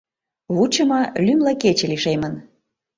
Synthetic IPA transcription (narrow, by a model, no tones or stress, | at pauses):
βut͡ɕəmɑlymlɑket͡ɕĕliʃemən